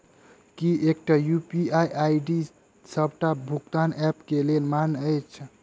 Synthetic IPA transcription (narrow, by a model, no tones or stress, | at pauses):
kiʔek̚ʈajupiajʔajɖi | səbʱʈabʱukt̪anɛpkelelmanəjt͡ʃʰ